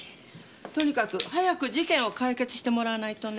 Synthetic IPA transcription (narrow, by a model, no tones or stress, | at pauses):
t̪o̞ɲ̟ikakɯ̟hajakɯ̟d͡ʑikẽ̞ɰ̃o̞kaike̞t͡sɨ̥ɕi̥t̪emo̞ɾaːnait̪o̞n